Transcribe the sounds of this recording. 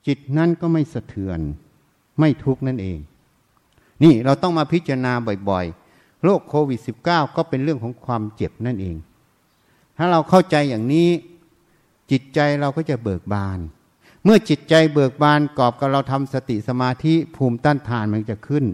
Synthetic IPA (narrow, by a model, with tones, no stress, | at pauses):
t͡ɕi˨˩t̪̚na˦˥˨nkɔː˥˩ma˥˩jsa˧t̪ʰɯ˨˩ən | ma˥˩jt̪ʰu˦˥k̚na˥˩nʔḛː˧ŋ | niː˥˩ɾa˧wt̪ɔ˥˩ŋmaː˧pʰi˦˥t̪̚t͡ɕa˧naː˧bɔ˨˩jbɔ˨˩j | ɾoː˥˩kʰːoː˧wi˨˩t̪̚si˨˩p̚kaː˥˩wkɔː˥˩pe˧nɾɯ˥˩əŋkʰɔː˩˦ŋkʰwaː˧mt͡ɕe˨˩p̚na˥˩nʔḛː˧ŋ | t̪ʰaː˥˩ɾa˧wkʰa˥˩wt͡ɕa˧jːaː˨˩ŋniː˦˥ | t͡ɕi˨˩t̪̚t͡ɕa˧jɾa˧wkɔː˥˩t͡ɕa˨˩bɤː˨˩k̚baː˧n | mɯ˥˩ɐt͡ɕi˨˩t̪̚t͡ɕa˧jbɤː˨˩k̚baː˧nkɔː˨˩p̚ka˨˩p̚ɾa˧wt̪ʰa˧msa˧t̪i˨˩sa˧maː˧t̪ʰi˦˥pʰuː˧mt̪aː˥˩nt̪ʰaː˧nma˧n˥t͡ɕa˨˩kʰɯ˥˩n